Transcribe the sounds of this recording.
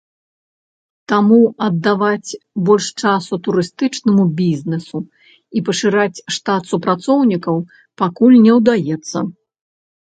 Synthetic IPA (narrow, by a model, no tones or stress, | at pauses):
t̪amuɐd̪ːavat͡sʲbɔlʲʂt͡ʂasut̪uɾɨst̪ɨt͡ʂnɐmubʲizʲnɛsu | ipɐʂɨɾat͡sʲʂt̪at̪supɾat̪sɔwnʲikɐw | pakulʲnʲɛwd̪ajɛt̪sːɐ̰